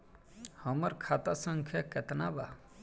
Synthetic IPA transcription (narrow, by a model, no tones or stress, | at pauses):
həməɾkʰaːt̪asə̃ŋkʰjaket̪naba